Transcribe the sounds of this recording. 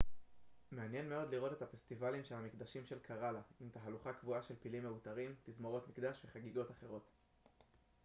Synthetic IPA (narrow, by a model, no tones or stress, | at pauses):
me̞anje̞nme̞o̞dliʁo̞t̪e̞t̪hafest̪ivalimʃe̞lhamikd̪aʃimʃe̞lkʰaʁalaimt̪aɦaluχakvuaʃe̞lpilimːe̞utaʁimt̪izmo̞ʁo̞tmikd̪aʃve̞χaɡiɡo̞taχe̞ʁo̞t